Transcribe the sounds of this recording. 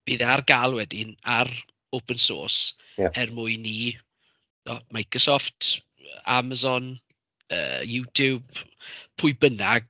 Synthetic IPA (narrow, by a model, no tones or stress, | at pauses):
b̥iːðɛarɡalˠwɛdɪnar | opʰənso̰ːs | ɛrmʊɨni | nɔmajkrɔsɔftː | aməzɔn | ə̰ːjutʰjubpʰʊɨbənaɡ